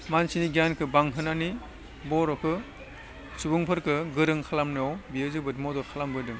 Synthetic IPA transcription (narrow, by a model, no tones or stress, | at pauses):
mansiniɡjankʰɯbaŋɦɯnani | bɔɾɔkʰɯ | subɯŋpʰɯɾkɯɡɯɾɯŋkʰalamnɯɔwbiɯzɯbɯdmɔdɔkʰalambɯdɯŋ